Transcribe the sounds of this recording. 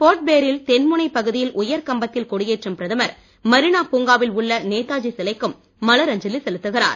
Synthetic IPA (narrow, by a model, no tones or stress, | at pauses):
poːʈ̚beːɾɪlt̪ɛnmɯnɐɪpɐɣɯðɪjɪlʔʊjɐɾkɐmbɐt̪ːɪlkɔɽɪjeːʈrɯmpɪɾɐðɐmɐɾ | mɐɾɪnaːpuːŋɡaːʋɪlʊɭːɐneːt̪ːaːd͡ʒisɪlɐɪkːɯmː | ɐlɐɾɐɲd͡ʒɪlɪsɛlɯt̪ːɯɣɪra̰ːɾ